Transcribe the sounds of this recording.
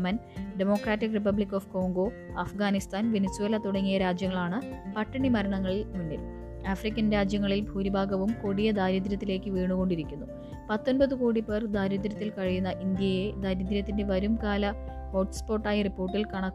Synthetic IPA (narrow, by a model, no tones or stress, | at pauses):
mɐnɖemo̞ːkraːtːikrip̬ɐblikːo̞ːfko̞ːŋɡo̞ | ɐfɡaːnist̪ʰaːnʋe̞nesːuwe̞ːlɐt̪uɽɐŋːijɐɾaːd͡ʑjɐŋːɐɭaːɳɨpɐʈːɐɳimɐɾɐɳɐŋːɐɭilmunːḭl | aːfrikʲːɐnɾaːd͡ʑjɐŋːɐɭilbʱuːɾibʱaːɡɐʋumko̞ɽijɐd̪aːɾid̪̬ɾɐt̪ːile̞ːkːɨʋiːɳuɣo̞ɳɖiɾikʲːunːu | pɐt̪ːo̞nbɐðɨkoːɽiperd̪aːɾid̪ɾɐt̪ːilkɐɻijunːɐʔind̪jɐjed̪aːɾid̪ɾɐt̪ːinde̞ʋɐɾumkaːlɐ | oʈspo̞ːʈːaːjɐripːo̞ːrʈːilkɐɳɐkː